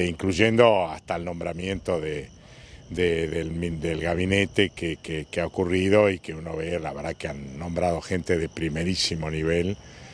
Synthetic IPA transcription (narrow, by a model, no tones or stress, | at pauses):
iŋkluʒend̪o̞ast̪aelnõ̞mbɾamjẽ̞nt̪o̞ðe | d̪eðelmid̪elɣaβ̞inet̪ekekekeaokuriðoikeuno̞βelaβeɾðakeanːõ̞mbɾað̞o̞xent̪eðepɾimeɾisimo̞niβ̞el